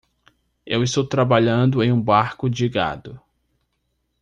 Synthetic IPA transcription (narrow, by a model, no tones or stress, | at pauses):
ewɪst̪owt̪ɾabaʎɐ̃nd̪ʊẽj̃ũbaɾkʊd͡ʒɪɡa̰d̪ʊ